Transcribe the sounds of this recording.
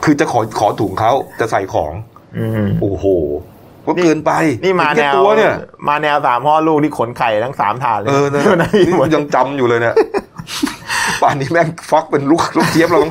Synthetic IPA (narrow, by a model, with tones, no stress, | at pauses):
kʰɯː˧t͡ɕa˨˩kʰɔː˩˦kʰɔː˩˦t̪ʰuː˩˦ŋkʰa˦˥wt͡ɕa˨˩sa˨˩jkʰɔ̰ː˩˦ŋ | ʔɯː˧ʔoː˨˩hoː˨˩ | kɔ˦˥kɤː˧npa˧jniː˥˩maː˧nkːɛ˩˧twu˧ɐni˥˩ɐmʔaː˧nɛː˧wsaː˩˦mhɔː˥˩luː˥˩k̪̚ʰiː˥˩kʰo˩˦nkʰa˨˩jt̪ʰa˦˥ŋsa̰ː˩˦mt̪ʰaː˧˩nlːɤː˥˧nː˧˥˩na˧˥˧ja˧ŋt͡ɕa˧mjuː˨˩lɤː˧jna˦˥˩ | paː˨˩nːiː˦˥mɛː˦˥˩fa˦˥k̚pe˧nluː˦˥˩k̚lu˦˥˩k̚t̪ʰi˦˥əp̚lw̪ɔ˥˩